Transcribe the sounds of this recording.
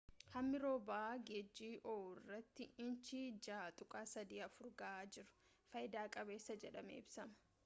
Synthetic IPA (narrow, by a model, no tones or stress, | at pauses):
hɐmːɪɾo̞ːbaaɡed͡ʒːiːʔoːɪrːɐt̪ːɪɪnt͡ʃid͡ʒaːt̪ʼʊkʼaːsɐd̪iːɐfʊɾɡɐaːd͡ʒɪɾʊ̥ | fɐjɪd̪aːkʼɐbe̞ːsːɐd͡ʒɛᶑɐmḛːɪbsɐmɐ̥